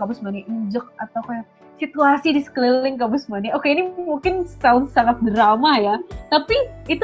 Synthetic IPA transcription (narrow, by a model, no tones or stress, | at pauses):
kabʊsmaniʔəɲd͡ʒək̚at̪awkaja | sit̪uasidisə̥klilɪŋkabʊsmaniokeinimuŋkɪnsawʊndsaŋat̪̚dɾamajat̪apiːt̪u